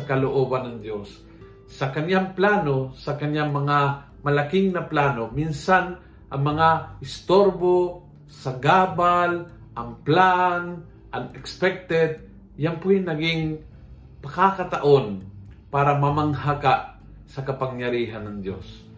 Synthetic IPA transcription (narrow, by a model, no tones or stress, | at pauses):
sɐkɐloʔoːbanːɐŋd̪josː | ɐkɐɲjaŋplaːnosɐkɐɲjaŋmɐŋa | mɐlakɪŋnɐplaːnominsan | ʔɐŋmɐŋaʔɪst̪oɾbo | sɐɡabal | ʔɐŋplan | ʔɐŋɛkspɛk̚t̪ɛd̪̚ | jaŋpʊŋnɐɡɪŋ | pɐkakɐt̪aʔonpaːɾamɐmaŋhakaʔ | sɐkɐpaŋjɐɾiːɦanːɐŋd̪jos